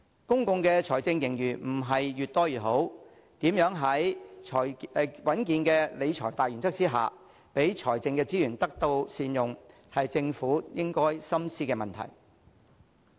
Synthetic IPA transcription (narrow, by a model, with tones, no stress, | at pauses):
kʊ˥ŋkʊ˧ŋkɛː˧t͡sʰɔː˨˩jt͡sɪ˧ŋjɪ˨˩ŋjyː˨˩m̩˨˩ɦɐ˨jjyː˨˩t̚t̪ɔː˥jyː˨˩ɦo˨˥w | t̪iː˨˥mjœː˨˥ŋɦɐ˨˥jʰɔː˨˩jwɐ˨˥nkiː˧nkɛː˧le˨˧jt͡ʃʰɔː˨˩jt̪aː˨jɥyː˨˩nt͡sɐ˥k̚t͡siː˥ɦa̰ː˨ | pe˨˥jt͡ʃʰɔː˨˩jt͡sɪ˧ŋkɛː˧t͡siː˥jyː˨˩nt̪ɐ˥k̚t̪o˧wsiː˧njʊ˨ŋ | hɐ˨jt͡sɪ˧ŋfuː˨˥jɪ˥ŋkɔː˥jsɐ˥msiː˥kɛː˧mɐ˨nt̪ʰɐ̰˨˩j